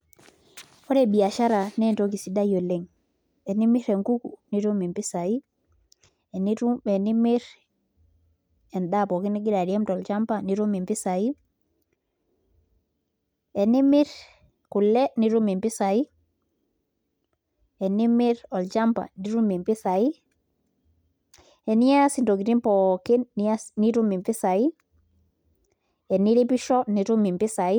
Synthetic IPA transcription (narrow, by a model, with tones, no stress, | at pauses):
ɔ˦ɾe˦˨bi˨a˨ʃa˦ɾa˨nɛ˦˨nto˦k̬i˨si˨˦da˦jo˨le˦ŋ | ɛ˨ni˦mi˦ɾe˨ŋku˦ku˨ni˦ɾu˦mi˨mpi˦sa˨i˦ | ɛ˨n˨ni˦mɪ˦ɾ | ɛ˨nda˦˨pɔ˨ki˦ni˦ɡɪ˦ɾa˨ɾi˨ɛ˦mtɔ˨lt͡ʃa˦mpa˨ni˨˦ɾu˦mi˨mpɪ˦sa˨i˦ | ɛ˨nɪ˦mɪ˦ɾ | ku˨lɛ˦ni˨˦ɾu˦mi˨mpi˦sa˨i˦ | ɛ˨ni˦mɪ˦ɾɔ˨ld͡ʒa˦mpa̰˨ni˦ɾu˦mi˨mpi˦sa˨i˦ | ɛ˨ni˦a˦si˨ndo˨ɡi˨ɾi˦mpɔ˨kɪ˦nːni˦ɾu˦mi˨mpi˦sa˨i˦ | ɛ˨ni˦ɾi˦pi˦ʃɔ˦ni˨ɾu˦mi˨mpɪ˦sa˨i˦